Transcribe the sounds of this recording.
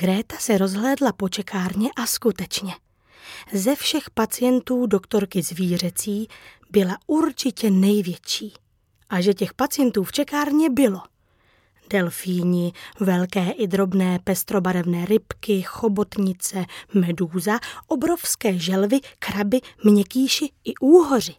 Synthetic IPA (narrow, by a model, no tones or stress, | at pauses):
ɡɾɛːt̪asɛɾo̞zɦlɛːdlapo̞t͡ʃɛkʰaːɾɲɛʔaskut̪ɛt͡ʃɲɛ | zɛfʃɛxpat͡sɪjɛnt̪uːdo̞kt̪o̞ɾkɪzviːr̝ɛt͡siː | bɪlauɾt͡ʃɪcɛnɛjvjɛt͡ʃiː | ʔaʒɛcɛxpat͡sɪjɛnt̪uːft͡ʃɛkaːɾɲɛbɪlo̞ | dɛlfiːɲɪvɛlkɛːʔɪd̪ɾo̞bnɛːpɛst̪ɾo̞baɾɛvnɛːɾɪpkɪxo̞bo̞t̪ɲɪt͡sɛmɛduːzaʔo̞bɾo̞fskɛːʒɛlvɪkɾabɪmɲɛkiːʃɪʔɪʔuːɦo̞r̝ɪ